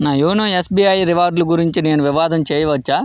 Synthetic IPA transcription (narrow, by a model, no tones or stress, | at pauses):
naːjoːnoːesbiːɐjɾiʋaːɾɖluɡuɾiɲt͡ʃineːnuʋiʋaːd̪ɐmt͡ʃeːjɐʋɐt͡ʃːaː